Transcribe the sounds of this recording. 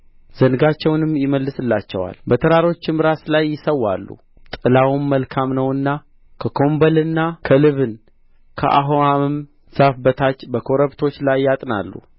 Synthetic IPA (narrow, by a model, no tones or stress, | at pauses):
z̥ənɨɡat͡ʃːɛwnɨmjɪməlːɨsɨlːat͡ʃːɛ̰wa̰lbət̪ʰəɾaɾo̞t͡ʃːɪmɾaslajːɪsəwːa̰lːṵ | t̪ʼɨlawmːəlkʰamnəwɨnːa | kʰəkʰo̞mbəlɨnːakʰəlɨβɨn | kʰə̰ʔa̰ɦoamɨm | z̥afbət̪ʰat͡ʃːbəkʰo̞ɾəβt̪ʰo̞t͡ʃːlajːat̪ʼna̰lːṵ